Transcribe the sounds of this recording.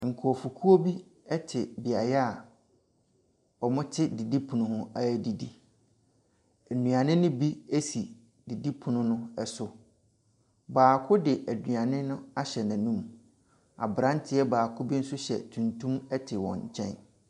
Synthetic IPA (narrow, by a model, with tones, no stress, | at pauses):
ŋ̩˨kʰʊ˨ɔ˨fu˨kʰu˦o˦bi˦ | ɛ˦tʰɪ˨bɪ˨a˨jɛ˦a˨ | ɔ˨mʊ̃˦tʰɪ˦di˨di˦pʰũ˨nʊ̃˨hʊ̃˦a˦ɛ˨di˨di˨ | nũ˨ã˨nɪ̃˦nʊ̃˦bi˦e˦si˨ | di˨di˦pʰu˨nʊ̃˦nʊ̃˦ɛ˨sʊ˨ | baː˨kʰʊ˦dɪ˨ʔæ˨dɥã˨nɪ̃˦nʊ̃˦a˦ɕɛ˨nã˨nũ˦m | a̰˨bɾã˦n˦tʰɪ˦ɛ˦baː˨kʰʊ˦bi˦n̩˦sʊ˦ɕɛ̰˨tʰũ˨ntʰũ˦mɛ˦tʰɪ˨wɔ̰̃˨ɲ˨t͡ɕʰɛ̰̃˦n